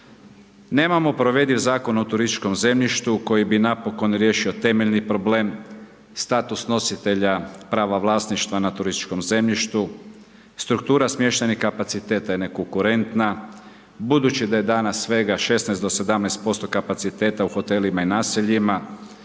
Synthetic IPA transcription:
ne̞ːmamo̞pɾoʋe̞d̪izaːko̞not̪uɾist̪i̥t͡ʃko̞mze̞mʎiʃt̪uko̞jibinapo̞ko̞nɾje̞ʃio̞t̪e̞meʎnipɾo̞ble̞ːm | st̪aːt̪usno̞sit̪e̞ʎapɾaːʋaʋlˠaːsniʃt̪ʋanat̪uɾist̪i̥t͡ʃko̞mze̞mʎiʃt̪u | st̪ɾukt̪uːɾasmje̞ʃt̪enixkapat̪sit̪e̞ːt̪ajene̞ko̞ŋkuɾe̞nt̪na | bud̪ut͡ʃid̪aje̞d̪aːnasːʋe̞ɡaʃe̞snajsd̪ose̞d̪amnajst̪̚po̞st̪o̞kapat̪sit̪e̞ːt̪auxo̞t̪e̞limainaːsiʎima

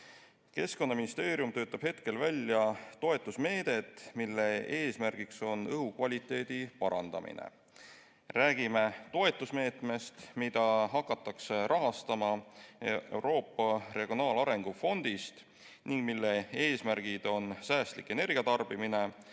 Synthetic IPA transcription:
ke̞sko̞nːɑminist̪e̞ːɾjumt̪ø̞ːt̪ːˑɑb̥he̞t̪ke̞lvælʲjɑt̪o̞e̞t̪ˑːusme̞ːd̪̥e̞t̪ːˑmilːe̞eːsmærɡ̥ikso̞nɤɦukvɑlʲit̪ːˑe̞ːd̪̥ipɑɾɑ̰nd̪̥ɑ̰mḭnḛ | ræːɡ̥ime̞t̪o̞e̞t̪ːˑusme̞ːt̪me̞st̪mid̪̥ɑɦɑkːˑɑt̪ːˑɑkserʔɑɦɑst̪ɑmɑ | e̞wɾo̞ːpˑːɑre̞ɡ̥ijo̞nɑːlɑɾe̞ŋɡ̥ufo̞nd̪̥ist̪ | niŋɡ̥milːe̞eːsmærɡ̥id̪̥o̞nsæːst̪likːˑe̞ne̞rɡ̥iɑt̪ɑrb̥imine̞

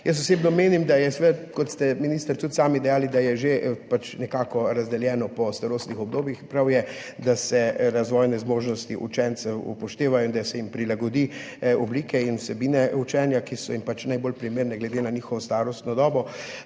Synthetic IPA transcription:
jəs̬t̪ɔseːbnɔmeːnimd̪ajɛsʋɛd̪kɔt̪st̪ɛminist̪əɾt̪ut̪saːmid̪ɛjaːlid̪ajɛʒepat͡ʃnɛkaːkɔɾazd̪ɛljɛːnɔpɔst̪aɾoːst̪nixɔb̚d̪oːbjixpɾawjɛ | d̪asɛɾazʋɔːjnɛzmoːʒnɔst̪iʔṵt͡ʃɛnt̪sɛwṵpɔʃt̪eːʋajɔind̪asɛjimpɾilaɡɔd̪i | ɔbliːkɛinusɛbiːnɛut͡ʃɛːnjakisɔjimpat͡ʃnajbolpɾimeːɾnɛɡlɛd̪enaniːxɔʋɔst̪aːɾɔst̪nɔd̪ɔːbɔ

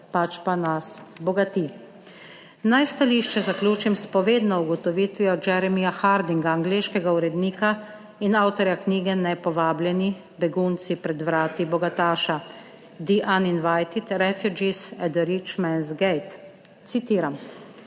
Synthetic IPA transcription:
pat͡ʃpanasbɔɡat̪i | najst̪aliːʃt͡ʃɛzaklʲuːt͡ʃimspɔʋeːd̪nɔuɡɔt̪ɔʋiːt̪ʋiɔd͡ʒɛɾɛmijaxaɾd̪iŋɡaːŋɡleːʃkɛɡauɾɛd̪niːka | inawt̪ɔɾjakniːɡɛnɛpɔʋaːblʲjɛni | bɛɡunt̪sipɾɛd̪ʋɾaːt̪ibɔɡat̪aːʃa | d̪iʔaninʋajt̪it̪ɾɛfjud͡ʒisɛd̪ɛɾit͡ʃmɛnzɡɛjt̪ | t̪sit̪iːɾam

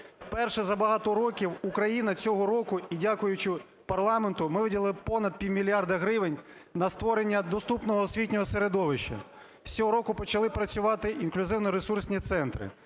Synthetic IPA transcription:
wpɛrʃɛzɐbɐɦɑt̪ɔɾɔkʲiwukɾɐjinɐt͡sʲɔɦɔɾɔkʊidʲakʊjʊt͡ʃɪ | pɐrlˠɑment̪ʊmɪʋɪdʲɐlˠɪpɔnɐd̪̚pʲiwʲmʲilʲjɑrd̪ɐɦɾɪʋɪnʲ | nɐst̪ʋɔɾenʲːɐd̪ɔst̪upnɔɦɔsʲʋʲitʲnʲɔɦɔseɾed̪ɔʋɪʃt͡ʃɐ̰̥ | t͡sʲɔɦɔɾɔkʊpɔt͡ʃɐlˠɪpɾɐt͡sʲʊʋɑt̪ɪʔinklʲʊzɪwnɔɾesursʲnʲit̪sɛnt̪ɾɪ̰

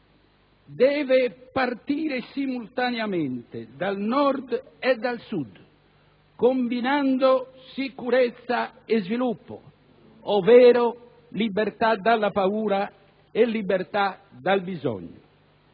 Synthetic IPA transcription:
d̪ɛːvɛpart̪iːɾesimult̪anjamɛnt̪ḛd̪alnɔɾd̪ɛd̪ːalsud̪ | kombinand̪osikuɾɛt̪sːaɛzvilupːo̰ | ɔvɛːɾo | libɛɾt̪ad̪alːapauːɾa | ɛlːibɛɾt̪ad̪albizɔ̰ɲːo̰

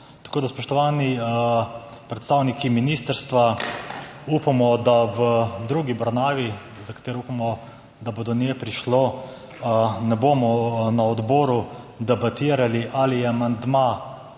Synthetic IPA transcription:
t̪ḁkoːd̪aspɔʃt̪ɔʋaːni | pɾɛt̪st̪aːwnikiminiːst̪əɾst̪ʋa | upamɔd̪awəd̪ɾuːɡibɾɔnaːʋi | zakat̪eːɾɔupamɔ | d̪abod̪ɔnjepɾiʃlo | nɛbomɔnaɔd̪bɔːɾu | d̪ɛbat̪iːɾaliʔaliɛamand̪ma

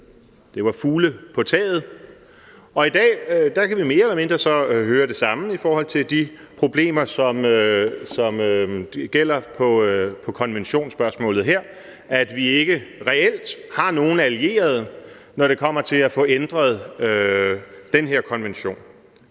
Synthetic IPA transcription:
d̥e̝ʋɑ̈fuːləpʰɒ̽t͡sʰɛ̰ːð̞̩ˠ | ɒ̽id̥ɛ̰ːd̥ɑ̈kʰæʋime̝ːɐelɐme̝nd̥ʁɐsɒ̽ɦøːɐɾ̥e̝sɑ̈məifɒːhɒ̽l̰t͡sʰe̝ld̥i | pʰʁo̝b̥le̝̰ːmɐsɒ̽møsɒ̽møɡ̥el̰ɐpʰɒ̽pʰɒ̽kʰɒ̽nʋenɕo̝̰ːnsb̥ɶɐsmɔ̰̽ːlð̩ˠɦeɐ̰ | æd̥ʋie̝ɡ̥əʁɛel̰d̥hɑ̈no̝ːn̩ælie̝̰ːɐð̞̩ˠ | nɒɾ̥e̝kʰɒ̽m̰ɐt͡sʰe̝læfɔ̽ːend̥ʁɐð̞ˠø | d̥enɦeɐ̰kʰɒ̽nʋenɕo̝̰ːn

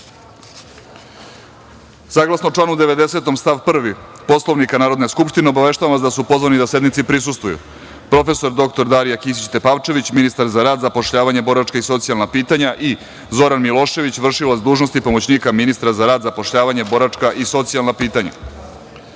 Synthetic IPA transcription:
saːɡlˠasnot͡ʃlˠaːnud̪e̞ʋe̞d̪e̞se̞t̪o̞mst̪aʋpr̩ʋipo̞slˠo̞ʋnikanaːɾo̞d̪ne̞skupʃt̪ineobaʋe̞ʃt̪aʋamʋasd̪asupo̞zʋanid̪ase̞d̪nit̪sipɾisust̪vujṵ | pɾo̞fe̞so̞ɾd̪o̞k̚t̪o̞ɾd̪aɾijakis̬it͡ɕt̪e̞paʋt͡ʃe̞ʋit͡ɕminist̪aɾzaɾaːd̪zapo̞ʃʎaːʋaɲebo̞ɾat͡ʃkaiso̞t̪sialnapiːt̪aɲaʔi | zo̞ɾanmilˠo̞ʃe̞ʋit͡ɕʋr̩ʃilazd̪uːʒno̞st̪ipo̞mot͡ɕniːkaminist̪ɾazaɾaːd̪zapo̞ʃʎaːʋaɲebo̞ɾat͡ʃkaʔiso̞t̪sijalnapiːt̪aɲa̰

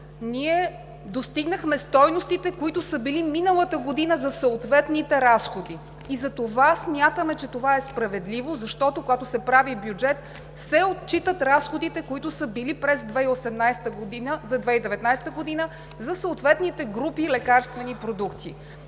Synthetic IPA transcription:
niɛ | d̪ost̪iɡnəxmɛst̪ɔjnost̪it̪ɛkoit̪ʊsəbiliminəlˠət̪əɡod̪inəzɐsəot̪vɛt̪nit̪ɛɾasxod̪i | izɐt̪ovasmʲjat̪əmɛt͡ʃɛt̪ovaɛspɾɐvɛd̪livozɐʃt̪ɔt̪okoɡat̪ʊsɛpɾavibjud͡ʒɛt̪ | sɛot̪t͡ʃit̪ət̪ɾasxod̪it̪ɛkoit̪ʊsəbilipɾɛzd̪vɛiosɛmnajst̪əɡod̪inəzɐd̪vɛid̪ɛvɛt̪najsɛ̥t̪əɡod̪inə | zɐsəot̪vɛt̪nit̪ɛɡɾupilɛkaɾst̪vɛnipɾod̪ukt̪i

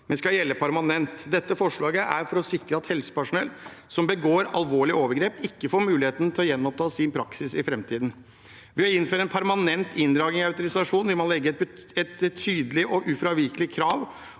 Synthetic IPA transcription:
mɛnskɑljɛlːəpʰæɾmɑnɛnt̪d̪ɛt̪ːəfɔʂɭɑːɡəʔæ̰ɾfɔɾɔsɪkɾəɑt̪hɛlsə̥pæʂʊnɛlsɔmbəɡoːɾɑ̰lʋoːɭɪoːʋəɾɡɾeːpɪkːəfoːɾmʉːlɪheːt̪ənət̪ʰɪlɔjɛnːmɔp̚t̪ʰɑːsɪnpʰɾɑksɪsɪfɾɛmt̪ʰiːd̪n̩ | ʋɪɑɪnføːɾəɛnpʰæɾmɑnɛnt̪ɪnd̪ɾɑːɡɪɑʉt̪ʊɾɪsɑʂuːnʋɪlmɑnlɛɡːə | ɛt̪ʰyːd̪əlɪʔɔʔʉfɾɑʋɪɾkəlɪkʰɾɑːʋ

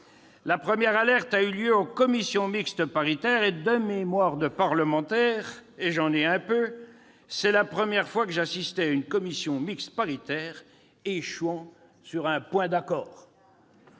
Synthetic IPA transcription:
lapχəmjɛʁalɛʁt̪ayljøokɔmisjɔ̃mikst̪əpaʁit̪ɛʁed̪əmemwaʁd̪əpaʁləmɑ̃t̪ɛːʁeʒɑ̃neɛ̃pø | sɛlapχəmjɛʁfwakəʒasist̪ɛaynkɔmisjɔ̃mikst̪paʁit̪ɛːʁ | eʃwɑ̃ | syʁɛ̃pwɛ̃d̪akɔːʁ

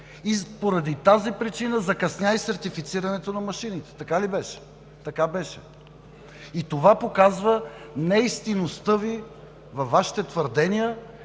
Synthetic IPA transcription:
ipoɾɐd̪it̪azipɾit͡ʃinəzɐkɐsnʲjaisɐɾt̪ifit̪siɾɐnɛt̪onɐmɐʃinit̪ɛ̥t̪ɐkalibɛʃɛ̥ | t̪ɐkabɛʃɛ | it̪ovapokazvənɛist̪inost̪ɤvi | vɐfːaʃi̥t̪ɛt̪vəɾd̪ɛnijə

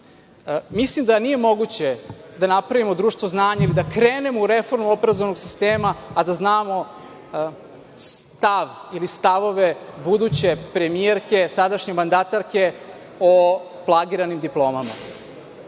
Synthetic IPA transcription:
mislimd̪anije̞mo̞ɡut͡ɕe̞d̪anapɾaʋimo̞d̪ɾuːʃt̪ʋo̞znaːɲailid̪akɾeːne̞mouɾefo̞ɾmuo̞peɾazo̞ʋano̞ɡsist̪eːmaːd̪aznaːmo̞ | st̪aʋilist̪aʋo̞ʋebud̪ut͡ɕe̞pɾe̞mieɾke̞sad̪aʃɲe̞mand̪at̪aɾke̞ | o | plˠaɡiɾanimd̪iplˠo̞ːmama̰

